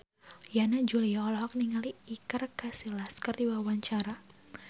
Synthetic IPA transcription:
janad͡ʒuliaɔlɔɦɔk̚niŋaliːkarkasilaskardiwawaɲt͡ʃaɾa

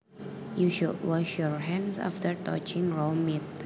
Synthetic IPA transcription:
juʃudwɔʃjɔɹɦɛ̃nsa̰ftəɹtɔ̰t͡ʃɪ̃ŋɹommːit̪̚

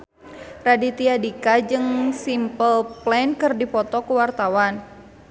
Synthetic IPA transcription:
radit̪iadikad͡ʒɨŋsimpəlplɛnkɨrdipɔt̪ɔkuwart̪awan

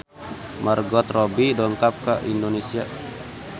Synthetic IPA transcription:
marɡɔt̪rɔbidɔŋk̪ap̚kaʔindɔnesia

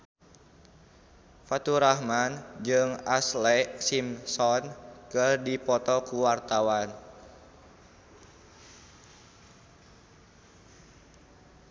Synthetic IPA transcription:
fat̪uɾahmand͡ʒɨŋaslɛsimsɔnkɨrdipɔt̪ɔkuwart̪awan

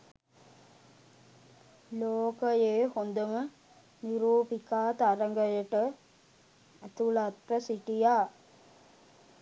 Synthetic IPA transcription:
loːkəjeːhond̪əmə | niɾuːpikaːt̪aɾəŋɡəjəʈə | æt̪ulat̪ɾəsiʈijaː

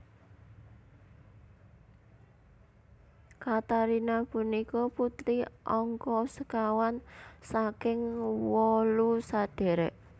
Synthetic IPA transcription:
kat̪aɾinapunikɔput̪ɾiʔɔŋkɔsəkawansakɪŋwɔlusad̪̥e̤ɾɛʔ

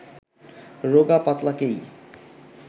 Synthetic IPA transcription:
ɾoɡapat̪lakej

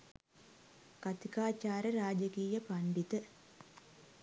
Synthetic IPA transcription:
kat̪ikaːt͡ʃaːɾəɾaːd͡ʒəkiːjəpaɳɖit̪ə

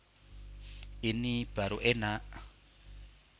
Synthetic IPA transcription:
inib̥aɾuʔɛna

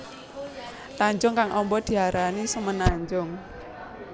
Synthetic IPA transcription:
t̪aɲd͡ʒʊŋkaŋʔɔmbɔd̪̥i̤aɾanisəŋmənaɲd͡ʒʊŋ

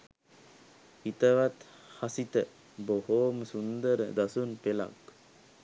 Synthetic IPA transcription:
it̪əʋat̪ | hasit̪ə | bohoːməsund̪əɾəd̪asunpela̰k

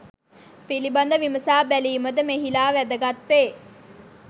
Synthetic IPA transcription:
piliband̪əʋiməsaːbæliːməd̪əmeɦilaːʋæd̪əɡat̪ːeː

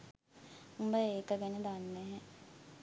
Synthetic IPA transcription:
umbəeːkəɡened̪anːɛɦɛ

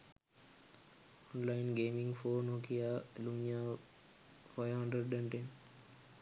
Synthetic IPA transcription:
ɔnlaɪnɡeːmĩŋfoːnoːkijaluɲja | faɪʋɦɐ̃ɳɖɾəɖɛ̃ɳʈen

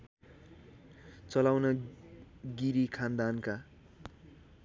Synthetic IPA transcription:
t͡sʌlawnʌ | ɡiɾikʰand̪anka

